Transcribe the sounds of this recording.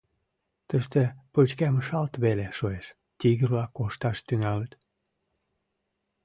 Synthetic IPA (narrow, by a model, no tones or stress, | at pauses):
t̪əʃt̪epot͡ɕkæməʃɑlt̪βeleʃoeʃ | t̪iɣəβlɑkːoʃt̪ɑʃt̪yŋɑlət̪